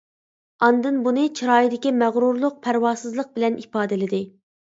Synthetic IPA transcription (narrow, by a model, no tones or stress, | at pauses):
ɑnd̪ɨnbunɨt͡ʃʰɾɑːjid̪ɪkʲimæʁɾuɾlˠʊq̚pʰæɾwɑːsɨzlˠəq̚bɪlɛnʔipɑːd̪ɪlɪd̪ɪ